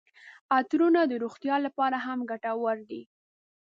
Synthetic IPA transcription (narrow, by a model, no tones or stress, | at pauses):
at̪ɾunad̪əɾoxt̪jɑlapɑɾaɦamɡaʈawaɾd̪i